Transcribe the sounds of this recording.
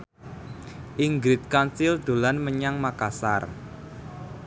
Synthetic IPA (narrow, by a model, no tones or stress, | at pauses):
ʔiŋɡɾɪt̪̚kansɪld̪̥o̤lanməɲaŋmakasa̰r